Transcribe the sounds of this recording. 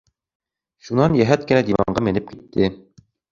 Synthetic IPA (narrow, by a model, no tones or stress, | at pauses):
ʃunɑnjæɦæt̪̚kɘ̆næd̪ivɑ̰ɴɢɑmɘ̆nɘp̚kit̪ːɘ